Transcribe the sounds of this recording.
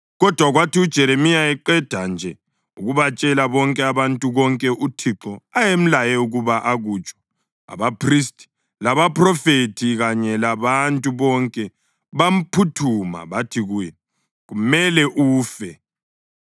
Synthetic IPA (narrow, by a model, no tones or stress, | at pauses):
ɣɔd̥ʱwaɣwatiud̥ʒ̥ʱɛɾemijaɛǃɛd̥ʱand͡ʒʱɛ | uɣuβat͡ʃʼɛlaβɔŋkʼɛaβantʼuβɔŋkʼɛʔutʰiǁɔajem̩lajɛuɣuβaʔaɣut͡ʃʼɔ̥ | a̰βapʰristʰʼi̥ | laβapʰʼrɔfetʰiɣaɲɛlaβantʼuβɔŋkʼɛ | βam̩pʰutʰuma̰βatʰiɣujɛ | ɣumɛlɛʔuːfɛ